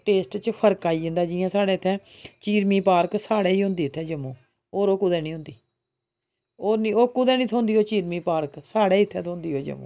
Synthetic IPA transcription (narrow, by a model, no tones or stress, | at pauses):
ʈeːsʈt͡ʃpʰəɾkaːiːə̃nd̪aːd͡ʒɪãːsaːɽeːɪt̪ʰɛːt͡ʃiːɾmiːpaːɾksaːɽeːiːɦʊ̃nd̪iːɪt̪ʰːɛːd͡ʒəmːoː | oːɾoːkʊd̪ɛːnĩːɦʊ̃nd̪iː | oːɾnĩːoːkːʊd̪ɛːnĩːt̪ʰõːnd̪iːɦoːt͡ʃiːɾmĩːpaːɾksaːɽeːɪt̪ʰːɛːt̪ʰõːnd̪iːɦoːd͡ʒə̰mːõ̰ː